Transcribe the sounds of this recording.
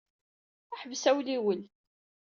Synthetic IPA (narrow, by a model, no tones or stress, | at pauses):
əħvsæwliwəl